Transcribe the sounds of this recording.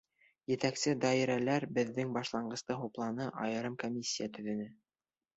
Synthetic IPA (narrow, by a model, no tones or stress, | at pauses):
jɘ̆t̪æksɘd̪ɑiɾælæɾbɘ̆ðːɘŋbɑʃlˠɑɴɢɤ̆st̪ɤɦuplˠɑnɤʔɑjɤ̆ɾɤmkomʲisʲːijat̪ɵ̆ðɵ̆nɘ